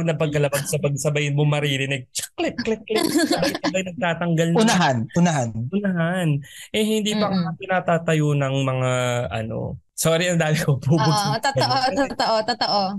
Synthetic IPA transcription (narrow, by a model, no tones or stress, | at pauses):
nɐpɐɡ̚kɐlɐbɐɡ̚sɐbɐɡsɐbɐjnmʊmɐɾiːɾɪnɛɡ̚t͡ʃɐ̥klɛt̪̚klɛt̪̚klɛsɐbɐjsɐbajnɐɡ̚t̪aːt̪ɐŋɡɐlnʊnɐɦanʊnɐhanʔʊnɐɦanʔɛhɪnd̪iːpɐŋɐɐpɪnaːt̪aːt̪ɐjonɐŋmɐŋaʔɐ̰no̞̰ | soːɾɪʔɐnd̪aːmɪkopubʊt̪otoʔoot̪oʔot̪ot̪oʔo